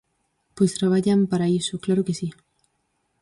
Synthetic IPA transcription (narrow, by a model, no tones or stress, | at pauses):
pwest̪ɾaβaʎampaɾaisoklaɾokesi